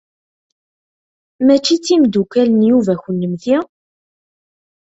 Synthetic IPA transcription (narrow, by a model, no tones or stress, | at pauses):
mæt͡ʃːit͡sːimd̪ukælənjuvæçənːəmθi